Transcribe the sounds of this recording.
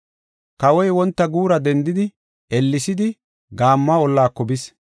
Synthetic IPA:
kɐwɔjwɔnt̪ːɐɡuːɾɐd̪ɛnd̪ɪd̪ɪ | ɛlːɪsɪd̪ɪ | ɡaːmːɐɔlːaːkːɔbɪs

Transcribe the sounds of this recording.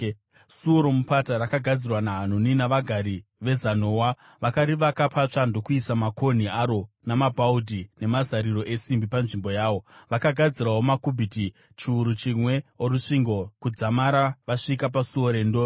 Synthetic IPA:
suoɾomupataɾakaɡʱad͡zirwanaɦan̤uninaʋaɡʱaɾiʋe̞zanoːwa | ʋakaɾiʋakapʰat͡ʂando̞kuisamakʰo̞niaɾo̞ | namabʱaudʱine̞mazaɾiro̞ʔe̞simbipanʐimbo̞jaːʋo̞ʋakaɡʱad͡ziraɦomakubʱiti | t͡ʃiuɾut͡ʃimwe̞oɾuʂiŋɡo̞kud͡zamaɾaʋaʂikap̬asuoɾeːndo

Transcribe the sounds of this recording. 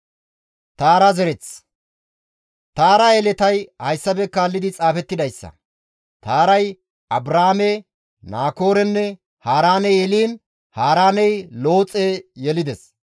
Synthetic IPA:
t̪aːɾɐzɛɾɛt͡s | t̪aːɾɐɛlɛt̪ɐjhɐjsːɐbɛkːaːlːɪd̪ɪt͡sʼaːfɛt̪ːɪd̪ɐjsːɐ̰ | t̪aːɾɐj | ʔɐbɾaːmɛ | naːko̞ːɾɛnːɛ | haːɾaːnɛjɛliːn | haːɾaːnɛjlo̞ːt͡sʼejɛlɪd̪ɛs

